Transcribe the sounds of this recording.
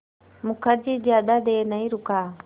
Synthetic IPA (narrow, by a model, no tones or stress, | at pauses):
mukad͡ʒid͡ʒad̪adenaiɾuka